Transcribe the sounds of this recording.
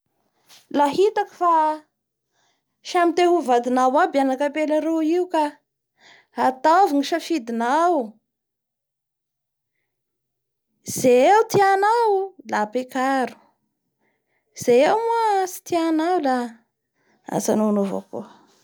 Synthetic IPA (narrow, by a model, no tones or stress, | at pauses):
laɦit̪aku̥fa | ʃamit̪eɦuvad̪inawabianakapelaɾuiuka | at̪aviŋiʃafid̪inaw | z̥eet̪ianawlapekaɾu̥ | z̥ewmuasi̥t̪ianawla | a̰za̰nunova̰ku